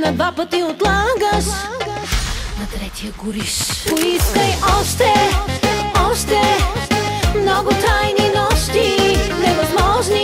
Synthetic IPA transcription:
nɐbapət̪iʊt̪lˠaɡəs | nɐt̪ɾɛt̪ʲiəɡʊɾiskoiskɐjʔɔʃt̪ɛ | ɔʃt̪ɛ | mnɔɡʊt̪ajninɔʃt̪inɛvɐzmɔʒni

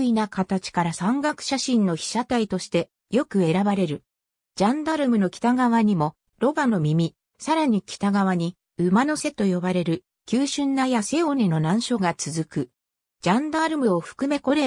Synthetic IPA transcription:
inakat̪at͡ɕi̥kaɾasãŋɡakɯ̟̥ɕaɕĩnːo̞çi̥ɕat̪ait̪o̞ɕi̥t̪e̞ | jo̞kɯ̟e̞ɾabaɾe̞ɾɯ̟ | d͡ʑãnd̪aɾɯ̟mɯ̟no̞kʲi̥t̪aɡaβaɲ̟imo̞ | ɾo̞bano̞mʲimʲi | saɾaɲ̟ikʲi̥t̪aɡaβ̞aɲ̟i | ɯ̟mano̞se̞t̪o̞jo̞baɾe̞ɾɯ̟ | kʲɨːɕɨ̃nːajase̞oɲ̟ino̞nãɰ̃ɕo̞ɡat͡sɨzɨkɯ̟ | d͡ʑãnd̪aɾɯ̟mɯ̟o̞ɸɯ̟̥kɯ̟me̞ko̞ɾe̞

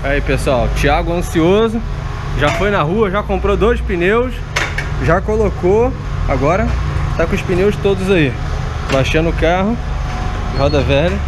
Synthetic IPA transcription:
aipesʊawt͡ʃiaɡʊɐ̃siozʊ | ʒafojnɐɦuɐʒakõmpɾod̪ojspinews | ʒakoloko | aɡɔɾɐt̪akʊʃpinewʃt̪od̪ʊzai | baʃɐ̃nʊʊkaɦʊ | ɪɦɔd̪ɐvɛhd͡ʒɐ

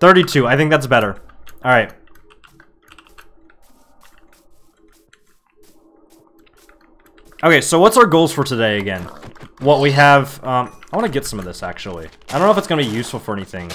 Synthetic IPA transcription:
θɜ˞ɾitʰʉaɪθɪ̃ŋk̚ðæts̬bɛɾə˞ʔɑlˠɹaɪt̚ | ʔoʊkʰeɪsoʊwʌtsaʊə˞ɡoʊlˠz̥fə˞tʰɨdeɪɨɡɛ̰̃nwʌt̚wiɨv̥ʌ̃maɪwɑ̃nɨɡɛtsʌ̃mʌvðɪsæ̰k̚t͡ʃul̩ˠḭaɪdõʊ̃noʊɪfətsɡ̥ʌnəbijʉsfl̩ˠfə˞ɛniθɪ̃ŋ

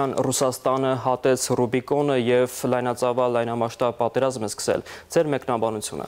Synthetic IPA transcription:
ɑnrusɑst̪ɑnəɦɑt̪ɛt͡sʰrubikɔnəjɛvlɑjnɑt͡sɑvɑlːɑjnɑmɑʃt̪ɑb̚pɑt̪ɛɾɑzmɛskə̥sɛ̰ld͡zɛɾmɛknɑbɑnut͡sʰjṵnə̰

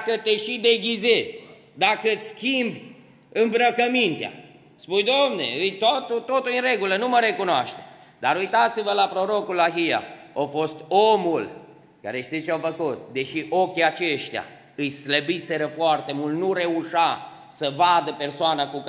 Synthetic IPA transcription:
kət̪eʃid̪e̞ɡʲizezʲ | d̪akəɨt̪sʲskʲimbʲ | ɨmbɾəkəmint̪ea̰ | spujd̪omnḛɨjt̪ot̪ut̪ot̪uinre̞ɡulənuməɾe̞kunoa̰ʃt̪e | d̪aɾujt̪at̪sivəlapɾo̞ɾo̞kulaɦija̰ofo̞st̪omul | ka̰ɾe̞ʃt̪it͡ʃeawfəkut̪̚d̪e̞ʃiʔokʲiat͡ʃe̞ʃt̪ea̰ | ɨjsləbise̞ɾəfoart̪e̞mult̪nuɾe̞uʃa | səvad̪əpe̞rsoanakuk

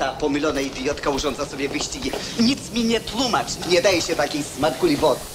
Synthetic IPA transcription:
apɔmilʲɔnɐid̪iɔt̪kɐuʒɔ̃nt̪zɐsɔbʲjɛvɨʃtiɡi | ɲit̪smʲiɲɛt̪lˠumat͡ʃɲɛd̪ajɛɕɛt̪akʲĩsmaɾkulʲivɔt̪

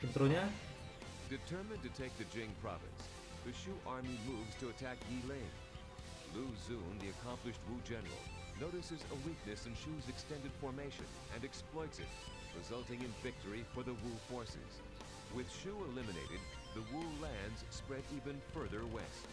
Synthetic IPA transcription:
ɨ̃nt̪ɾuna | d̥ɨtʰɜ˞mɨ̃ntɨtʰeɪk̚ðɨd͡ʒɪ̃ŋpʰɹ̥ɑ̰vɨ̰̃ns | ðɨʃuʔɑɹmimuvz̥tʰɨɨtʰæk̚ɡilẽɪ̃n | luzũnðiɨkʰɑ̃mplɨʃt̚wud͡ʒɛnə̰˞l̩ˠ | noʊɾɨsɨzə̰wik̚nɨsɨ̃nʃʉzɨkstɛ̃ndɨd̥fɔɹmeɪʃɨ̰̃n | ɨ̃nɨksplɔɪtsɨ̰t̚ | ɹɨzʌlˠtɪ̃ŋɨ̃nvɪk̚tʰə˞ifə˞ðəwufɔɹsɪ̰z̥ | wɪð̥ʃuəlɪ̃mɨneɪɾɨ̰d̪̚ | ðəwulæ̃ndz̥spɹɛɾivɨ̃nfɜ˞ðə˞wɛ̰st̚

